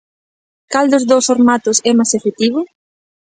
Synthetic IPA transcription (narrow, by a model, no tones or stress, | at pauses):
kald̪ʊzðowsfoɾmat̪ʊsɛmasefet̪iβʊ